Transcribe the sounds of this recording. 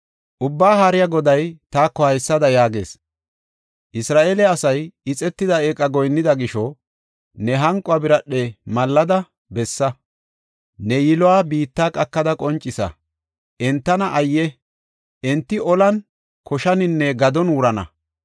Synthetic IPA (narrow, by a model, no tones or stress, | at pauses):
ʔʊbːaːɦaːɾɪjaɡɔd̪ɐjt̪aːkːɔhɐjsːɐd̪ɐjaːɡe̞̰ːs | ʔɪsɾaːʔeːlɛɐsɐjɪt͡sʼɛt̪ːɪd̪ɐeːkʼɐɡɔjnːɪd̪ɐɡɪʃɔ | nɛɦɐŋkʼːɔabɪɾɐɗːɛmɐlːɐd̪ɐ | bɛsːɐ | nɛjɪlɔwaːbiːt̪ːaːkʼɐkːɐd̪ɐkʼɔnt͡ʃʼːɪsɐ̰ | ʔɛnt̪ːɐnɐʔɐjːɛ | ʔɛnt̪ːɪʔɔlɐn | kʰɔʃɐnɪnːɛɡɐd̪ɔnuːɾɐnɐ̰